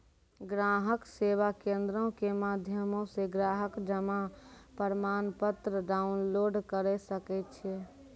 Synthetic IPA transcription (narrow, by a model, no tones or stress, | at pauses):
ɡɾaɦəkseʋakẽnd̪ɾõkemad̪ʱjəmõseɡɾaɦəkd͡ʒəmapəɾmanpət̪ɾəɖaunloɖkəɾɛsəkɛt̪̚t͡ʃʰɛ